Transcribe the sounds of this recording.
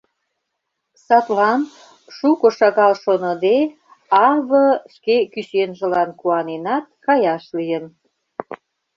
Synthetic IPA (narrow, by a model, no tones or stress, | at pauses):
sɑt̪lɑn | ʃukŏʃɑɣɑlʃonə̆d̪e | ɑβəʃkekyɕenʒə̆lɑnkuɑnenɑt̪̚kɑjɑʃlijən